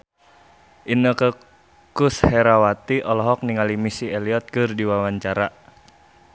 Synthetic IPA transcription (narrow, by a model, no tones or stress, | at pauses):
ʔinəkə | kushɛɾawat̪iʔɔlɔɦɔk̚niŋalimisiɛliɔt̪̚kɨrdiwawaɲt͡ʃaɾa